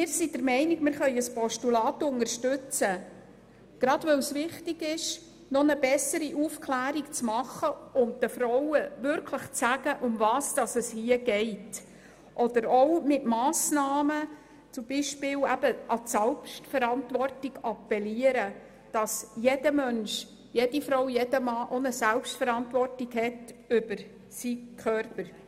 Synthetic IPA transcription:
mɪːɾsidəɾmɛɪniɡmɪːɾχœʏəspɔʃtulɑːtʊnəɾʃtʏt͡sə | ɡ̥ɾɑdʋœwsʋɪχtɪɡɪʃ | nɔnəbɛsəɾiʔufkʰlæːɾikt͡smɑχəʊnt̚dəfɾɔwəʋʏɾkʰləχt͡sæɡ̥əʔʊmvɑːsd̥ɑsəshiəɡ̥ɛɪt | ʔɔd̥əɾɔwmɪtmɑːsnɑːmə | t͡sʊmbiʃpɪːlæbəʔɑsælpʃtfəɾɑntʋɔrtiɡɑpːɛliəɾə | d̥ɑsjed̥əmœnʃ | jed̥ifɾɔwjedəmɑːʔonəsælpʃtfəɾɑntʋɔrtiɡhɛtʏb̥əɾ | sikʰχœrpəɾ

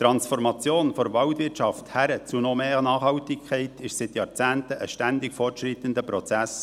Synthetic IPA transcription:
t̪ɾɑnsfɔrmɑt͡sjoːnfɔɾʋɑwtʋɪt͡ʃɑft̪hæɾət͡sunomeːʁnɑːχhɑwtɪkkʰɛɪtɪʃsɪt̪jɑːɾt͡sæːntəʔəʃtænd̪ɪkfɔrtʃʁit̪ənd̪əpɾɔt͡sæs

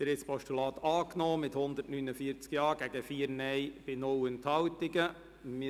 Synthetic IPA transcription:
d̥ɪɾɪt͡sspɔʃtulɑːt̪ɑːknɔːmɪthʊnd̪ətnynəfiːəɾt͡skjɑːɡ̥æɡ̥əfiːəɾnɛjb̥ɪnʊlənt̪hɑwtɪɡə | mɪ

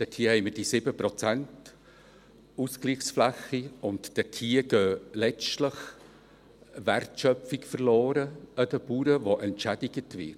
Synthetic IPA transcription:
d̥ɛtʰiəhɛɪməd̥isɪbəpɾɔt͡sænt | uskliːxsflæχːiʊntd̥ɛtʰiːəɡøːlɛt͡stləχ | værtʃœfikfərlɔːɾəəd̥əpuːɾəvoʔɛntʃæd̥iɡətvɪ̰t

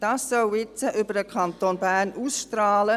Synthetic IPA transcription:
d̥ɑːsːœwɪt͡səʔʏbəɾəkʰɑnt̪oːnbæːɾnuːsʃtɾɑːlə

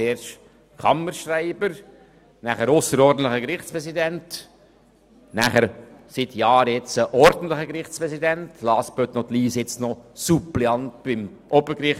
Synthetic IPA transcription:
eːɾʃ | kʰɑməɾʃɾaɪbəɾ | næːχəɾʊsəɾɔɾdn̩tləχəkɾɪχt͡spɾɛsidɛnt | næχəɾsɪtʰjɑːɾjɛt͡səʔɔɾdn̩tləχəkɾɪχt͡spɾɛsidɛntʰlɑːspøt̪nɔtliːsjɛt͡snɔsupliɑnt̚b̥ɪmʔɔbəɾkɾɪχ

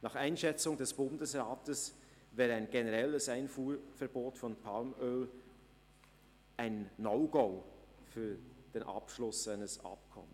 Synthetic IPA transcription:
nɑːχaɪnʃɛt͡sʊŋdɛsb̥ʊndəsʁaːtəs | vɛːɾaɪnɡenəʁɛləsaɪnfuːfɛɐboːtfɔnpʰalmøːl | ʔaɪnːɔʊɡ̥oːfyːɐd̥eːnʔɑ̰pʃlʊsaɪnəsɑ̰p̚kʰɔ̰mən

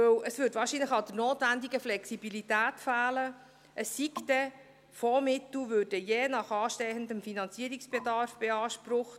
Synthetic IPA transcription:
ɵwəsʋʏːɾdʋɑːɾʃiːnləχɑd̥əɾnoːtvændiɡəflɛksibilitæːtfæːlə | ʔəsːiktɛ | fɔmɪt̪lʋʉːd̥ɛjeːnɑχɑːʃtɛhənd̪əmfinɑnt͡siəɾiksb̥ɛdɑɾfb̥ɛɑːʃpɾʊχt

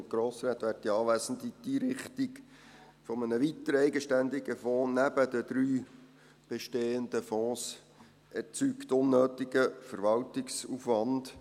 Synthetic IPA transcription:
t̪ɡ̥ɾoːsɾæːt̪ʋæːrtiɑːʋæːsən̩d̪id̥̪iɾɪχt̪ik | fɔmənəʋit̪əɾɛɪɡəʃtænd̪ɪɡəfɔ̃ːnæb̥əd̪əd̥̪ɾyː | b̥eʃteːənd̪əfɔ̃ːs | ɛrt͡sykt̪ʊnːøːt̪ɪɡəfəɾʋɑltɪksufʋɑnd̥

